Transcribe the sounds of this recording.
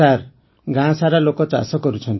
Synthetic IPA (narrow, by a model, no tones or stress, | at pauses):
aɾ | ɡãsaɾalokɔt͡ʃa̰sɔkɔɾut͡ʃʰɔnt̪